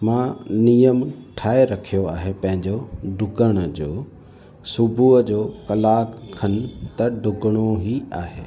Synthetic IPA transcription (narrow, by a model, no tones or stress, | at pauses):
mãːnijəmʈʰaːeɾɐkʰijoaːɦepɐ̃ɦɪ̃ɲd͡ʑoɖʱʊɡəɽ̃ə̆d͡ʑoː | sʊbʱuəd͡ʑoːkɐlaːkkʰːɐnt̪ɐɖʱʊɡəɽ̃oɦiaːɦeː